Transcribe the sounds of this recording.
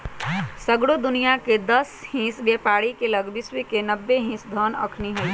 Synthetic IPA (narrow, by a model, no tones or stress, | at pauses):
səɡɽod̪ʊnijaked̪ɐshĩːsbepaːɽikeləɡbɪswikenəbːeɦĩːsd̪ʱəːnə̰kʰniɦəi